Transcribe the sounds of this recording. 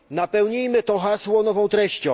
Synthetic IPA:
napɛwɲijmɘt̪ɔxaswɔnɔvɔ̃w̃t̪ɾɛɕt͡ɕɔ̃

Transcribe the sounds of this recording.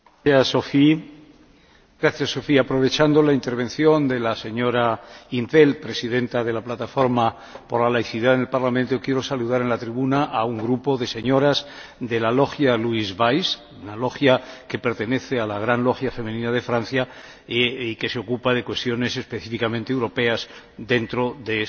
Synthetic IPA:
asːofi | ɡɾaθjasːo̞fiapɾo̞β̞e̞t͡ʃand̪o̞laint̪e̞ɾβ̞ẽ̞nθjo̞nd̪e̞lase̞ɲo̞ɾaint̪e̞lpɾe̞siðe̞nt̪aðe̞laplat̪afo̞ɾma | po̞ɾlalajθiðaðene̞lpaɾlamẽ̞nt̪o̞kje̞ɾo̞saluðaɾe̞nlat̪ɾiβunaʔauŋɡɾupo̞ðe̞se̞ɲo̞ɾaz | d̪e̞lalo̞xjaluizβajs | unalo̞xjake̞pe̞ɾt̪e̞ne̞θe̞alaɣ̞ɾanlo̞xjafe̞menĩnað̞e̞fɾan̟θja | ike̞seo̞kupaðe̞kwe̞st̪jo̞ne̞se̞spe̞θifikamẽnt̪ewɾo̞pe̞az | d̪e̞nt̪ɾo̞ðe

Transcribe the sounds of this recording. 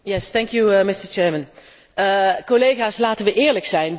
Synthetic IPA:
jɛst̪ɛŋkjumɪstəɹt͡ʃɛːɹmə̃n | kolejχaːslaːtənʋəʔɪːɹləksɛjn

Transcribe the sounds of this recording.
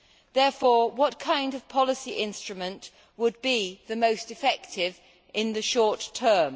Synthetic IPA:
ðɛɹfɔɹwɒt̚kʰãɪ̃ndʌv̥pʰɒlɪsiʔɪ̃nstɹ̥əmə̃nʔ | wəd̚biðəmoʊstɨfɛk̚tʰɪv | ʔɪ̃nðɨʃɔɹtʰɜːm

